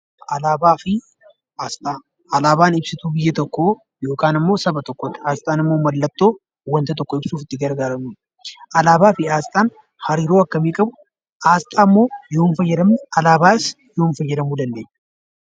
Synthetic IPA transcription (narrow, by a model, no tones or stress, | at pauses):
ʔɐlaːbaːfɪ | aːst̪ʼaː | ɐlaːbaːnɪbsɪt̪uːbɪjːɐt̪ɔkːoː | jo̞ːkaːnɐmːo̞ːsɐbɐt̪ɔkːɔt̪ːɪaːst̪ʼaːnɪmːo̞ːmɐlːɐt̪ːo̞ː | wɐnt̪ɐt̪̬ɔkːɔɪbsuːfɪt̪ːɪɡɐɾɡaːɾɐmuːᶑ | ʔɐlaːbaːfɪaːst̪ʼaːn | hɐɾiːɾoːɐkːɐmiːkʼɐbʊ | ʔaːst̪ʼaːmːo̞ːjo̞ːnfɐjːɛd̪ɐmɐlaːbaːs | jo̞ːnfɐjːɛd̪ɐmuːd̪ɐnd̪e̞ːɲː